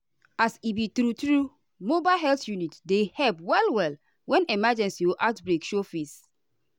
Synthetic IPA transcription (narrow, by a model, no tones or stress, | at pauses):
asibitɾutɾu | mobaɦɛltjunitdehɛlpwɛlwɛl | wɛ̃nemad͡ʒɛ̃nsioʔatbɾekʃofis